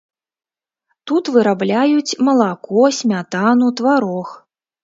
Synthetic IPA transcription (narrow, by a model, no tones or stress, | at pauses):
t̪ut̪vɨɾablʲajut͡sʲmɐlˠakɔsʲmʲat̪anut̪vaɾɔx